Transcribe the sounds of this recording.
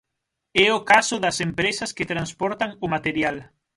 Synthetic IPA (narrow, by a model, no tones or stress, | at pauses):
ɛʊkasʊðɐsempɾesɐsket̪ɾanspɔɾt̪aŋʊmat̪eɾjal